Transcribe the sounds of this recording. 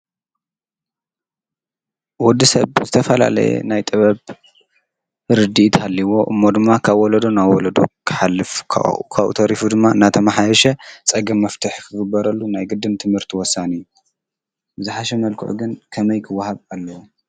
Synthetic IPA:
wɔd̪ːisɐβzɨt̪ʰɐfɐla̰lɐ̰jɛ̰najt̪ʼɨβɐβ | ɾɨd̪it̪alːiwo̞ʔɨ̰mːod̪ɨmːakʰaβwɔlɐd̪o̞nawɔlɐd̪o̞̰kʰɨ̥ħalːɨfkʰa̰kʰaβʔṵt̪ʰɐɾifud̪ɨmːaɨnat̪ʰɐmaħajɛʃɛt͡sʼɐɡɐmːɐft̪ʰɨħkʰɨɡɨbːɐɾɐlːunajɡɨd̪ːɨnt̪ʰɨmhɨɾt̪ʰiwɔsːanɨjːu | bɨzuħaʃɐmɐlkʰɨ̰ʕṵɡɨnkʰɐmɐjkʰɨwːahaβalːɐwo

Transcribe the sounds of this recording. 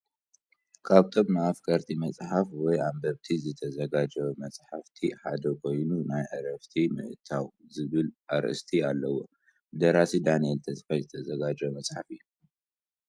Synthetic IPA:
kʰaβt̪ʰʼomnaʔafkʰɐɾt̪ʰimɐt͡sʼħafwɔjambɐβt̪ʰizɨt̪ʰɐzɐɡad͡ʒɐβmɐt͡sʼħaft̪ʰiħad̪ɐkʰo̞jnunajʔɨɾɐft̪ʰimɨ̰ʔɨt̪ʰawzɨβɨlʔaɾʔɨ̰st̪ʰialːɐwo̰ | ɨd̪ɐɾasid̪anijelt̪ʰɐsʼfajzɨt̪ʰɐzɐɡad͡ʒɐmɐsʼħafijːu

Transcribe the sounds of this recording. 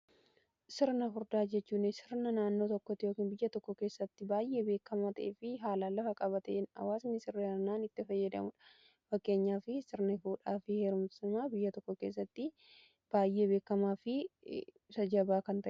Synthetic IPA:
sɪɾnɐɦʊɾd̪aːd͡ʒɛt͡ʃːuːnɪsɪɾnɐnaːnːo̞ːt̪ɔkːɔt̪ːɪjoːkiːnbɪjːɐt̪ɔkːɔke̞ːsːɐt̪ːɪbaːjʔe̞ːbe̞ːkːɐmaːt̪ɐʔeːfɪɦaːlalɐfɐkʼɐβɐt̪ɛnɐ̰waːsmɪsɪrːɐɐɾnaːnɪt̪ːɪfɐjːɐd̪ɐmʊᶑɐ̥ | fɐkːe̞ːɲːaːfɪsɪɾnɐɪfuːᶑaːfɪheːɾumsʊmaːbɪjːɐt̪ɔkːɔke̞ːs̬ːɐt̪ːɪ | b̥aːjʔeːbe̞ːkːɐmaːfɪ | sɐd͡ʒɐbaːkɐnt̪ɐʔɛ

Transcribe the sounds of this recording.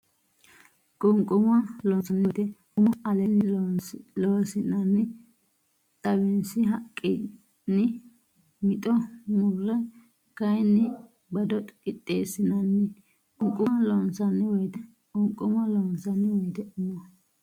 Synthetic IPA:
kʼʊŋkʼʊmɐlɔnsɐnːd̪ɛʔʊmɔɐlɛnːɪ | loːsɪnɐnːɪ | t̪ʼɐbɪnsɪɦɐkʼːɪ | nːɪ | mɪt̪ʼɔmʊrːɛ | kɐjnːɪ | bɐd̪ɔt̪ʼkɪt̪ʼːeːsɪnɐnːɪ | kʼʊŋkʼʊlɔnsɐnːɪwɔjt̪ɛ | kʊŋkʼːʊmɐlɔːnsɐnːɪwɔjd̪ɛʔʊmɔ

